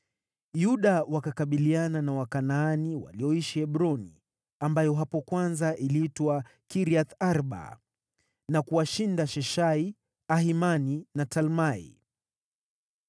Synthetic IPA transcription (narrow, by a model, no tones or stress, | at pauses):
juɗawakakaɓiliananawakanaːniwa̰liɔiʃiɛɓɾɔnḭ | ambajɔɦapɔkwanzaʔiliitwakiɾiaθaɾɓa̰ | nakuaʃindaʃɛʃai | aɦimaninatalmaḭ